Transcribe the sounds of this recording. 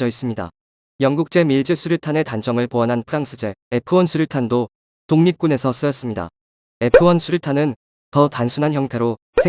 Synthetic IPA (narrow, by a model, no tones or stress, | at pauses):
ʌis͈ɯmɲida̰ | jʌŋɡuk̚t͡ɕ͈e̞miɭd͡ʑɯsʰuɾjutʰane̞tand͡ʑʰʌŋɯɭpoanɦanpʰɯɾaŋs͈ʰɯd͡ʑe̞epʰɯwʌnsʰuɾjutʰando | toŋɲip̚k͈une̞sʰʌs͈ɯjʌs͈ɯmɲida̰ | e̞pʰɯwʌnsʰuɾutʰanɯn | tʌtansʰunançjʌŋtʰe̞ɾo | sʰe